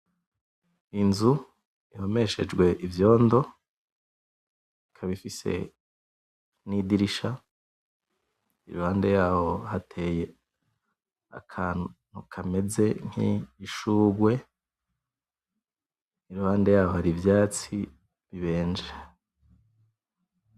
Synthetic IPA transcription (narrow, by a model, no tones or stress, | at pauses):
inzu | iho̞me̞ʃe̞̰d͡ʒɡwe̞ʔivjo̞ːndo̞ | ikʰaβifise̞̰ | nidiɾiʃa | iɾuhaːnde̞jaːho̞hatʰe̞je̞ | a̰kʰaːnn̥ukʰame̞ze̞ŋ̥ḭːʃuːɡwe̞ | iɾuhaːnde̞jaːho̞haɾivjaːt͡si | βiβe̞ːnd͡ʒe